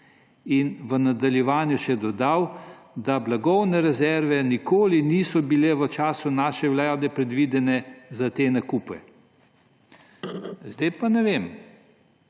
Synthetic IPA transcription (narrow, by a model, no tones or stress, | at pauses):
inʋənad̪aljɛʋaːnjuʃɛd̪ɔd̪aw | d̪ablaɡɔwnɛɾɛzɛɾʋɛnikoːliniːsɔbilɛʋət͡ʃaːsunaːʃɛwlaːd̪ɛpɾɛd̪ʋiːd̪ɛnɛzat̪enakuːpɛ̰ | zd̪ajpanɛʋem